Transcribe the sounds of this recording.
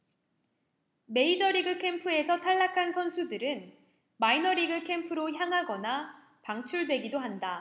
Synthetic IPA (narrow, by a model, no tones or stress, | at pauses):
me̞id͡ʑʌɾiɡɯkʰe̞mpʰɯe̞sʰʌtʰaɭːakʰansʰʌnsʰudɯɾɯn | mainʌɾiɡɯkʰe̞mpʰɯɾoçjaŋɦaɡʌna | paŋt͡ɕʰuɭdwe̞ɡidoɦanda